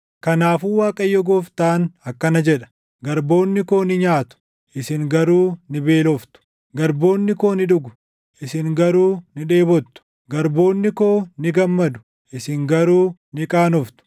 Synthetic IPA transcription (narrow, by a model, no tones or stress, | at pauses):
kɐnaːfuːwaːkʼɐjːɔɡɔft̪aːnɐkːɐnɐd͡ʒɛᶑɐ̥ | ɡɐɾbo̞ːnːɪko̞ːnɪɲaːt̪ʊ̥ | ʔɪsɪŋɡɐɾuːnɪbe̞ːlɔft̪ʊ̥ | ɡɐɾbo̞ːnːɪko̞ːnɪᶑʊɡʊ̥ | ʔɪsɪŋɡɐɾuːnɪᶑe̞ːbɔt̪ːʊ̥ | ɡɐɾbo̞ːnːɪko̞ːnɪɡɐmːɐd̪ʊ̥ | ʔɪsɪŋɡɐɾuːnɪkʼaːnɔft̪ʊ̥